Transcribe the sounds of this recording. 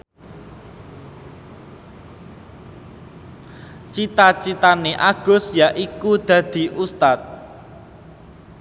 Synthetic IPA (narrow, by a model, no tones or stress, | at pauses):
t͡ʃit̪at͡ʃit̪aneʔaɡ̥ʊ̤sjaʔikud̪̥ä̤d̪̥i̤ʔust̪at̪̚